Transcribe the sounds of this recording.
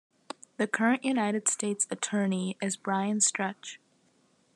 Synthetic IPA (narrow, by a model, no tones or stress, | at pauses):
ðɨkʰɜ˞ɨ̃nʔjʉnaɪɾɨd̥steɪtsɨtʰɜ˞niɪzbɹaɪɨ̃nstɹ̥ɛt͡ʃ